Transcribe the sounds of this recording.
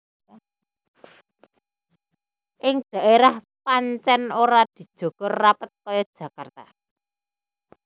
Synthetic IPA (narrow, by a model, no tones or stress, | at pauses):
ʔɪŋd̥ä̤ʔeɾah | paɲt͡ʃɛnoɾad̪̥i̤d̥ʒ̥o̤ɡ̥ɔrːapət̪̚kɔjɔd̥ʒ̥ä̤kart̪a